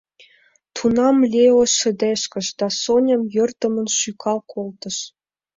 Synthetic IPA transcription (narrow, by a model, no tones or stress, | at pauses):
t̪ʰunɑmlʲeoʃə̆d̪eʃkə̆ʃd̪̥ɑsonʲə̆mjə̆rt̪ə̆mə̆nʃykʰɑlkʰolt̪ə̆ʃ